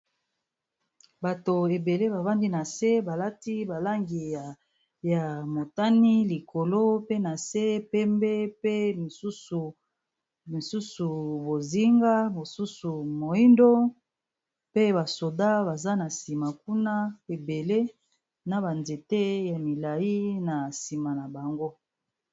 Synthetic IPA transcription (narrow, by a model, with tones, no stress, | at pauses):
ba˨to˨e˨be˨le˦ba˨ba˦ndi˦na˨se˦ba˨la˦ti˦ba˨la˦ŋɡi˨ | ja˨mo˨ta˦ni˦li˨kʰo˨lo˦pe˦na˨se˦pɛ˦mbe˦pe˦mi˨su˦su˨ | mi˨su˦su˨bo˨zi˦ŋɡa˦mo˨su˦su˨mo˨i˦ndo˦ | pe˦ba˨so˨da˦ba˨za˦na˨si˨ma˨k̚u˦na˦e˨be˨le˦ | na˨ba˨nze˨te˦ja˨mi˨la˨ji˦na˨si˨ma˨na˨ba˨ŋɡo˦